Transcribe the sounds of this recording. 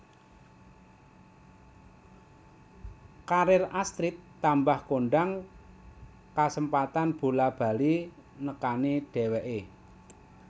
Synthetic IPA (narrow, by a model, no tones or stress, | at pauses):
kaɾɪrast̪ɾit̪ːambahkoɳɖaŋ | kasəmpat̪anb̥ṳlab̥a̤li | nəkaniɖ̥ɛ̤wɛʔe